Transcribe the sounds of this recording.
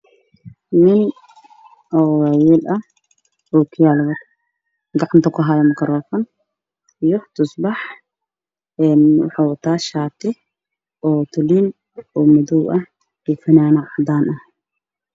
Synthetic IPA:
mɪn | ʔɔwawiːlʔɐh | ɔːkʰɪjaːlβɐ | ɡɑʕɑnt̪ʰɐkʰʊɦajɐmɐkʰɐɾɔːfɐn | ijɔt̪ʰʊsbɑħ | ɛːnwɑ̰ħɑːwɑt̪ʰaːʃaːt̪ʰɪ | ʔɔːt̪ʰʊliːn | ɔːmɐðɔwʔɐh | ifɐnaːnɐʕɑd̪aːnʔɐh

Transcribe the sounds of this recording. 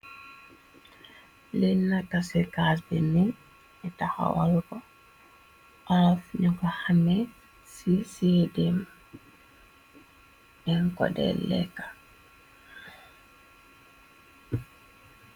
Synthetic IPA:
lɛnːatasɛkas̬bɛnɛn | ɛtaha̰wa̰lkɔ | ʔafɲɔkɔhamɛ | sisɛdɛm | ɛnkɔ̰dɛ̰lːɛ̰kḁ

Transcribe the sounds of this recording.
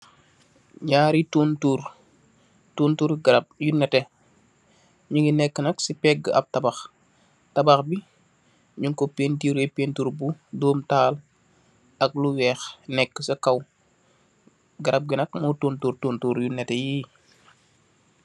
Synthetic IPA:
ɲaːɾituːntuːɾ | tuːntuɾɡɐɾɐp̚junɛtɛ | ɲuŋɡinɛkːənɐksipɛɡəɐ̰p̚tɐbɐx | tɐbɐxbi | ɲuŋkɔpeːntiːɾɛpeːntuɾbudɔːmtaːl | ɐk̚luwɛːxnɛkːəsɐkɐw | ɡɐɾʔɐp̚ɡinɐkmɔtuːntuːɾtuːntuːɾjunɛtɛjiː

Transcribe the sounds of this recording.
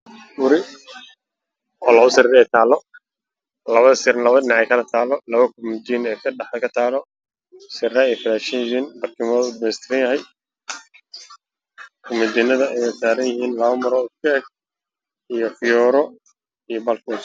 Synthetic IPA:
bʊɾɪ | ɔːlɐʊsɐɾiːɾɛɛːt̪ʰaːlːɔ | lɐβɐðɐsɪɾlɐβɐɖɪnɑʕɛjkʰɐlɐt̪ʰaːlɔlɐβɐkʰʊmɪd̪iːnɛkʰɐɖɑħdɛkʰɐt̪ʰaːlɔ | sɪraːijfɪlaːʃɐnjɪɦiːnbɐrkʰɪmɔːðʊd̪̚mɛjst̪ʰɪɾɐnjɐɦɛj | kʰʊmɪd̪inːɐðɐɛjɐsaːɾɐnjɪɦiːnlɐβɐmɐɾɔːʊd̪̚kʰɛɛɡ̚ | ijɔfɪjɔːɾɔ | ijɔbɐlkʰus

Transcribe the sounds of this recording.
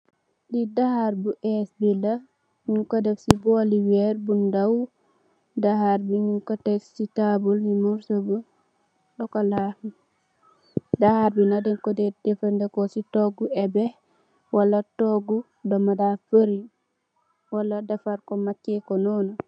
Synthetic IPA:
didahaɾbuʔɛsbila | ɲuŋkadɛfsiboliwɛɾbundaw | dahaɾbiɲuŋkatɛksitabulmimuɾsobu | ɗɔkala | dahaɾbinadɛŋkɔdɛdɛfandɛkɔsitɔɡuɛbɛ | walatɔɡu | dɔmadafəɾi | waladafaɾkɔmat͡ʃːɛkɔnɔna

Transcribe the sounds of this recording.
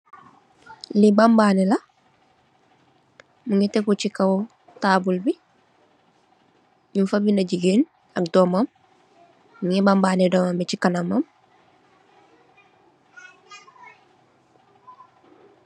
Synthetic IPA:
libambaːnila | muŋitekut͡ʃikaw | taːbulbi | ɲimfabindɐɟiɡeːn | akdoːmamː | uŋibambaːnedomambicikanamam

